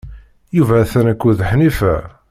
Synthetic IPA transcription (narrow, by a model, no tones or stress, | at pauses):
juvæθænækʷːuðħnifæ̰